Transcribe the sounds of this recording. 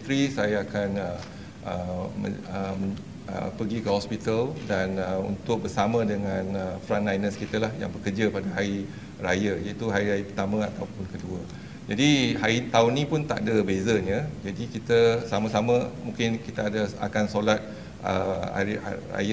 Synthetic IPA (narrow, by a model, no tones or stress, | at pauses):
t̪ɾisajaakanə | ʔəmə̰əm | ə̰pəɡikəhɔspit̪əldanəṵnt̪ʊk̚bərsamə̃dəŋãnəfɾanlajnəskit̪əlahja̰ŋbəkərd͡ʒapadaɦai | rajajait̪uɦaɾiɾajəpərt̪amãat̪awpʊnkəduə | d͡ʒadihait̪aʊnːĩpʊnt̪a̰ʔdabezəɲə̃d͡ʒadikit̪əsamãsamə̃mũŋkɪnkit̪aadaa̰kansolat̪̚ | ʔə̰a̰ira̰j